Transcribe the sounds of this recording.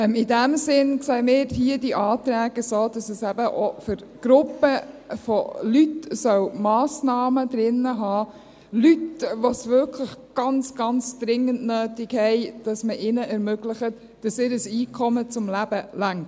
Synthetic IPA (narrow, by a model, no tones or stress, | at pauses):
ɛmɪdæmsɪnksɛɪmɪːɾhiədiʔɑːt̪ɾæːɡ̥əsoːd̥ɑsəsæb̥əʔofʏɾɡ̥ɾʊpːəfolytsœwmɑːsnɑːmədɾɪnːəɦɑː | lytʋosvʏɾkʰləχɡ̥ɑnt͡sɡ̥ɑnt͡sd̥ɾɪŋːəntnøːtɪkhɛɪd̥ɑsməʔɪnəʔɛɾmøɡləχət | d̥ɑsɪːɾəsiːkʰɔmət͡sʊmlæb̥əlæŋ